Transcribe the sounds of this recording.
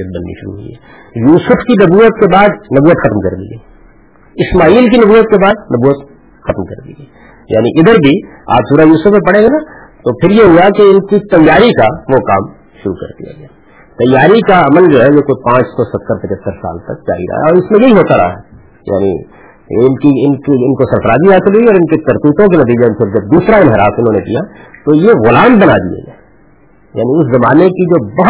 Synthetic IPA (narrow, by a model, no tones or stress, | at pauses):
ət̪̚bɐnːḭʃʊɾṵɦʊḭɦɛː | juːsʊfkinɐbuːət̪kebaːd̪nɐbuːət̪xɐt̪mkɐɾd̪ḭːɡɐi | ɪsmaːiːlkinɐbuːət̪̚kebaːd̪nɐbuːʋət̪ | xɐt̪mkɐ̰ɾd̪ḭːɡɐi | ja̰ːniʔɪd̪əɾbʱia̰ːpsuːɾajuːsʊfẽpɐɽeɡena | t̪opʰɪɾjeɦuakeɪnkit̪ɐjːaːɾikaʋoka̰ːm | ʃʊɾṵkɐ̰ɾd̪ḭja̰ɡɐjaː | t̪ɐjːaːɾikaɐməld͡ʒoːɦɛjekoipãːt͡ʃsɔsɐt̪ːəɾpɐt͡ʃət̪ːəɾsa̰ːlt̪ɐ̰k̚d͡ʒa̰ːḭɾɐ̰ɦa̰ɔːɾɪsmẽjeiɦoːt̪aɾɐ̰ɦa | ja̰ːnḭ | ɪnkiɪnkiɪnkosɐɾfəɾaːd͡ʒiɦaːsɪlɦuiɔːɾɪnket̪ɐɾt̪iːt̪õkenɐt̪̬iːd͡ʒemepɪɾd͡ʒɐb̚d̪uːsɾaɪnɦɪɾaːsɪnɦõːnekḭjat̪ojeɣʊlaːmbɐnad̪ḭḛɡaː | ja̰ːniʊszɐmaːnekid͡ʒoːbɐɦ